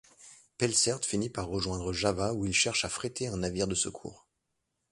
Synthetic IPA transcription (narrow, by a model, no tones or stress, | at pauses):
pɛlsɛʁt̪finipaʁːəʒwɛ̃d̪ʁəʒavauilʃɛʁʃafχet̪ʰeɛ̃naviʁd̪əsə̰kʰṵːʁ